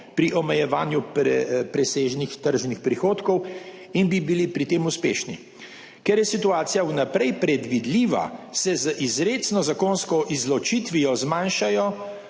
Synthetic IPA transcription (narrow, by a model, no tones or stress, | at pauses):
pɾiʔɔmɛjɛʋaːnjupɾɛpɾɛseːʒnixt̪əɾʒnixpɾixoːt̪kɔw | inbibilipɾit̪eːmuspeːʃni | kɛɾjɛsit̪uaːt̪sijawnapɾɛjpɾɛd̪ʋid̪liːʋa̰sɛzəʔizɾeːsnɔzakonskɔʔizlɔt͡ʃit̪ʋijɔzmãːnʃajɔ